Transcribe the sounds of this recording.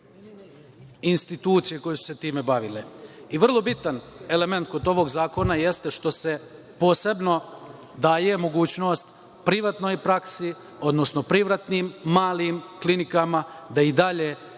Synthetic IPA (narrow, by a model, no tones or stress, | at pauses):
inst̪it̪uːt̪sijeko̞jesu̥se̞t̪iːme̞baʋileiʋr̩lˠo̞bit̪ane̞le̞me̞nt̪̚ko̞d̪o̞ʋo̞ɡzaːko̞naje̞st̪e̞ʃt̪o̞se̞ | po̞ːse̞bno̞ | d̪aːjemo̞ɡuːt͡ɕno̞ːst̪ | pɾiʋat̪nojpɾaksi | o̞d̪no̞sno̞pɾiʋɾat̪nimːaːlimklinikamad̪aid̪aʎe